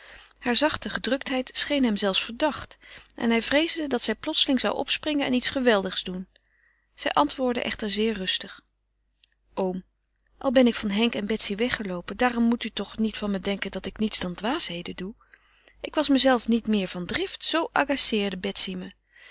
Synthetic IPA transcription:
haːɹzɑχtəχədrɵk̚tɦɛjtsχejnɦɛmzɛlˠfsfəɹdɑχtʔɛ̰nɦɛjvrejzdədɑtsɛjplɔtsəlɪŋzɑ̰wʔɔ̰psprɪŋənɛ̰nitsχəʋɛlˠdəχz̥dun | z̥ɛjʔɑntʋʊːɹdə̰ʔɛ̰χtəɹzɪːɹrɵstəχ | ʔowm | ʔɑ̰lˠbɛnɪkfɑnɦɛŋkɛnbɛtsiʋɛχəlowpəndaːrɔmːutytɔχnitfɑnbədɛŋkəndɑtɪknitzd̥ɑndʋaːsɦejdədu | ʔɪkʋɑsməzɛlˠfnitmɪːɹv̥ɑndrɪftsowʔɑ̰ɡasɪːɹdəbɛtsimə

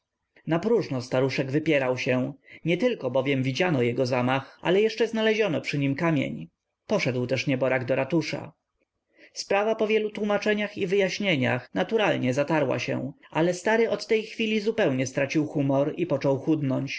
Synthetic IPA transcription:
napɾuʐnɔst̪aɾuʂɛɡvɘpʲjɛɾawɕɛɲɛt̪ɘlkɔbɔvʲjɛmvʲid͡ʑanɔjɛɡɔzamaxa̰lɛjɛʂt͡ʂɛznalɛʑɔnɔpʂɘɲimkamʲjḛɲ | pɔʂɛd̪wt̪ɛʂɲɛbɔɾaɡd̪ɔɾat̪uʂa̰ | spɾavapɔvʲjɛlut̪wumat͡ʂɛɲaxivɘjaɕɲeɲa̰xnat̪uɾalɲɛzat̪aɾwa̰ɕɛ̰̃ʔalɛst̪aɾɘʔɔt̪ːɛjxfʲilʲizupɛwɲɛst̪ɾat͡ɕiwxumɔɾipɔt͡ʂɔwxud̪nɔɲt͡ɕ

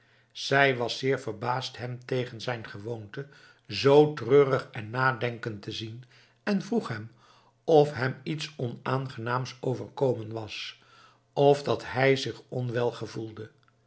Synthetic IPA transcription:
z̥ɛjʋɑsɪːɹvəɹbaːstɦɛmtejχənzɛjnχəʋontə | zowtrøːrəχɛnːaːdɛŋkəntəzin | ɛnvruχɦɛm | ɔfɦɛmitsɔnaːnχənaːmsowvəɹkowmənʋɑs | ɔvdɑtɦɛjzɪχɔnʋɛlˠχəvulˠdə

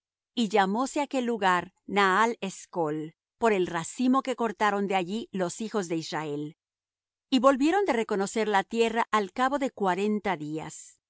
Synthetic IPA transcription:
iʝamo̞seake̞lːuɣaɾ | naaleskol | po̞ɾe̞lrasimo̞ke̞ko̞ɾt̪aɾo̞nd̪eaʝilo̞sixo̞zðe̞israe̞l | iβo̞lbje̞ɾo̞nd̪e̞re̞ko̞no̞se̞ɾlat̪je̞raʔalkaβo̞ðe̞kwaɾe̞nt̪aðia̰s

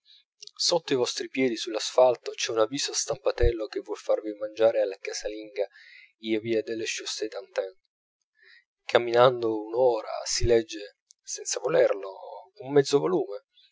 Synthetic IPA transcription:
sot̪ːoivɔst̪ɾipjɛːd̪isulːasfalt̪ot͡ʃɛunaviːzoast̪ampat̪ɛlːok̟evːwɔlfarvimand͡ʒaːɾealːakasaliŋɡa | iːaviːad̪elːeʃust̪ed̪ant̪ɛn | kʰamːinand̪ounoːɾa̰silɛd͡ʒːe | sɛnt̪savolɛrloumːɛd̪zovoluːme

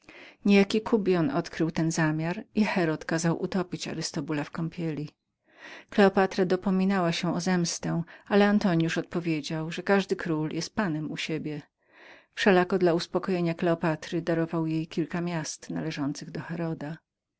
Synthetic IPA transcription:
ɲejakʲikʰubʲjɔnɔt̪kɾɘwt̪ɛnzamʲjaɾixɛɾɔt̪kazawʔṵt̪ɔpʲit͡ɕa̰ɾɘst̪ɔbulafkɔmpʲʰjelʲi | klɛɔpat̪ɾad̪ɔpɔmʲinawaɕɛɔzɛmst̪ɛalɛant̪ɔɲjuʂɔt̪̚pɔvʲjed͡ʑawʐɛkaʐd̪ɘkɾuljɛst̪̚panɛmuɕebʲjɛ | fʂɛlakɔd̪lauspɔkɔjeɲaklɛɔpat̪ɾɘd̪aɾɔvawjejkʲilkamʲjast̪na̰lɛʐɔnt̪sɘɣd̪ɔxɛɾɔd̪a

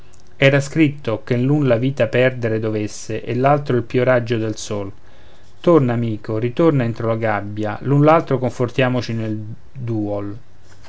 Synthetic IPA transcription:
ɛːɾaskɾit̪ːokenlunlaviːt̪apɛrd̪eɾed̪ovesːeʔelːalt̪ɾoilpioɾad͡ʒːod̪elsol | t̪ornaːmiːkorit̪ornaent̪ɾolaɡabːja̰lunlalt̪ɾokoɱfort̪jaːmot͡ʃinel | d̪uːol

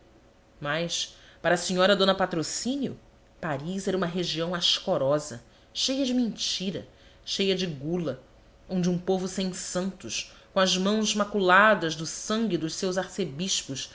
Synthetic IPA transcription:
majspaɾɐːsiɲɔɾɐd̪õnɐpat̪ɾosĩnjʊ̰ | paɾizɛɾɐũmɐɦeʒiɐ̃w̃aʃkoɾɔzɐ | ʃejɐd͡ʒɪmĩnt͡ʃiɾɐ̰ | ʃejɐd͡ʒɪɡulɐ | õd͡ʒɪũpovʊsẽj̃sɐ̃nt̪ʊʃ | kõɐzmɐ̃w̃zmakulad̪ɐzd̪ʊsɐ̃ŋɡʲɪd̪ʊʃsewzaɾsebiʃpʊʃ

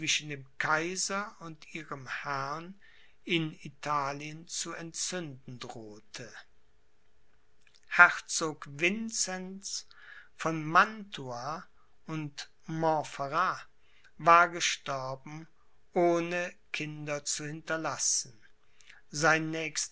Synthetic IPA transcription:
t͡sv̥ɪʃn̩deːmkʰaɪzɐʊntʔiːʁəmhɛɐn | ɪnitʰaːliənt͡suɛntt͡sʏndn̩dʁoːtʰə | hɛʁt͡soːkvɪnt͡sɛns | fɔnmantʰua | ʊnt | mɔfaʁa | vaːɐɡəʃtɔɐbm̩ | ʔoːnəkʰɪndɐt͡suhɪntɐlasn̩ | zaɪnːɛːçst

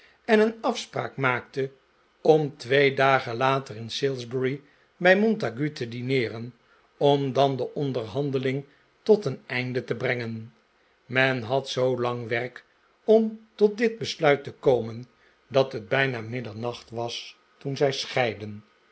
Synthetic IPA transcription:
ɛnənɑfspra̰ːkmaːktə | ɔmtʋejdaːχəlaːtərɪnsɪlˠzbəɹi | bɛjmɔntaɡytədinɪːrən | ɔmdɑndəʔɔndəɹɦɑndəlɪŋ | tɔtənɛjndətəbrɛŋən | mɛnɦɑtsowlɑŋʋɛrk | ɔmtɔt̚dɪd̚bəslœɥtəkowmən | dɑtɦəd̚bɛjnaːmɪdəɹnɑχtʋɑs | tunzɛjsχɛjdən

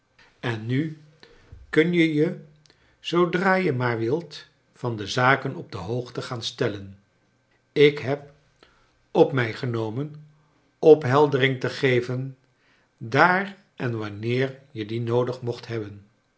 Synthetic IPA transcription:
ɛnːy | kɵnjəjə | z̥owdraːjəmaːɹʋɪlˠt | fɑndəzaːkənɔb̚dəɦowχtəχaːnstɛlən | ɪkɦɛp̚ | ɔpmɛjχənowmən | ɔpɦɛlˠdərɪŋtəχejvən | daːr | ɛnʋɑnɪːɹjədinowdəχmɔχtɦɛbən

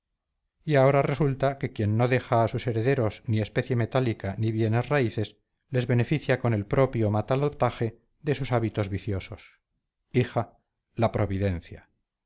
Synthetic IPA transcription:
iao̞ɾare̞sult̪ake̞kje̞nːo̞ðe̞xaːsuse̞ɾe̞ðe̞ɾo̞snie̞spe̞θje̞me̞t̪alikaniβje̞nezraiθe̞s | le̞zβe̞ne̞fiθjako̞ne̞lpɾo̞pjomat̪alopt̪axe̞ | ðe̞susaβit̪o̞zβiθjo̞so̞s | ixa | lapɾo̞β̞iðe̞nθja

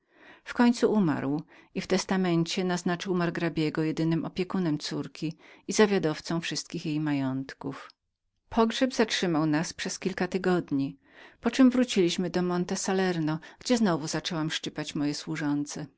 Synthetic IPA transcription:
fkɔɲt̪suuma̰ɾwift̪ɛst̪amɛnt͡ɕɛnaznat͡ʂɘwmaɾɡɾabʲjɛɡɔjɛd̪ɘnɘmʔɔpʲjɛkunɛmt̪suɾkʲiizavʲjad̪ɔft̪sɔ̃w̃fʂɘst̪̚kʲixjejmajɔnt̪kuf | pʰɔɡʐɛbzatʂɘmawnaspʂɛskʲilkat̪ɘɡɔd̪ɲi | pɔt͡ʂɛmvɾut͡ɕilʲiɕmɘd̪ɔmɔnt̪ɛsalɛɾnɔɡ̥d͡ʑɛznɔvuzat͡ʂɛwamʂt͡ʂɘpat͡ɕmɔjɛswuʐɔnt̪sɛ

